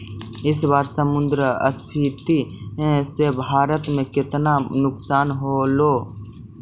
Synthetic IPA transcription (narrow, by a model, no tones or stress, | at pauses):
ɪsbaːɾsəmʊnd̪ɾəə̰spʰiːt̪ĩsebʱaːɾət̪mẽkɪt̪nanʊksaːnɦoloː